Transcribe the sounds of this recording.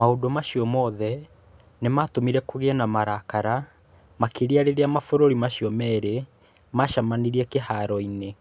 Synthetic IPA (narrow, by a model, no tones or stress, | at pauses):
maodomaʃiɔmɔðɛ | nematomiɾɛkoɣeɛnamaɾakaɾa | makeɾiaɾeɾeamafoɾoɾimaɕiɔmɛːɾe | maʃamaniɾiɛkehaɾɔine